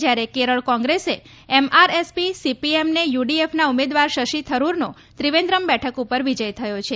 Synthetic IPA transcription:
d͡ʒjaɾekeɾəɭkɔ̃ŋɡɾese | ɛmaɾespisipiemnejuɖiefnaumed̪ʋaɾʃəʃit̪ʰəɾuɾno | t̪ɾiʋẽnd̪ɾəmbɛʈʰəkupəɾʋid͡ʒəjt̪ʰəjot͡ʃʰe

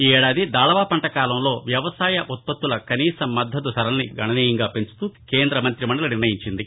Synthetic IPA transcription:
iːɛːɽaːd̪id̪aːɭɐʋaːpɐɳʈɐkaːlɐmlo̞ːʋjɐʋɐsaːjɐʔut̪̚pɐt̪ːulɐkɐniːsɐmːɐd̪ʱːɐd̪usɐɾɐlniɡɐɳɐniːjɐŋɡaːpe̞nt͡ʃu̥t̪uke̞ːnd̪ɾɐmɐnt̪ɾimɐɳɖɐlɐniɾnɐjiɲt͡ʃind̪i

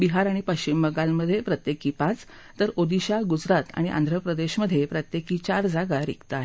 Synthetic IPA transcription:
biɦaɾaɽ̃ipəɕt͡ɕimːəɡalməd̪ʱːjepɾət̪jekiːpãt͡s | t̪əɾod̪iɕaɡud͡zɾat̪a̰ɽ̃iʔã̰nd̪ʱɾəpɾəd̪eɕməd̪ʱːjepɾət̪jekiːt͡ɕaɾd͡zaɡaɾḭkt̪aɦe

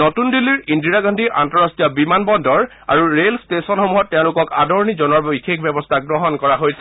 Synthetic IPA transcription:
notundilːiɹindiɹaɡɔndʱiʔa̰ntɔɹastiɔbimanbɔndɔɹ | a̰ɹuɹelstesɔnxɔmuɦɔtːɛʊ̃lʊkɔka̰dɔɹɔnizɔnɔɹbikʰekʰbɛbɔstʰaɡɹɔɦɔnkɔɹaɦojsɛ

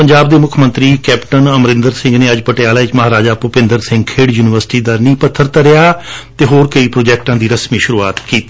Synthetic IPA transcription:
pəɲd͡ʒaːbd̪eːmʊkʰmə̃nt̪ɾiːkɛːpʈənəmɾɪ̃nd̪əɾsɪ̃ŋɡneːəd͡ʒpəʈɪjaːlaːɪt͡ʃməɦaːɾaːd͡ʒaːpʊpɪ̃nd̪əɾsɪ̃ŋɡkʰeːɽjuːnɪʋəɾsɪ̥ʈiːd̪aːnĩːpət̪ʰːəɾt̪aɾɪjaːt̪eːɦoːɾkəiːpɾoːd͡ʒɛːk̚ʈãːd̪iːɾəsmĩːʃʊɾuːaːt̪kiːt̪i

